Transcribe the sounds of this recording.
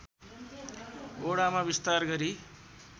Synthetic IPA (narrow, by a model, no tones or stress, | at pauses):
oɽamabist̪arɡʌɾi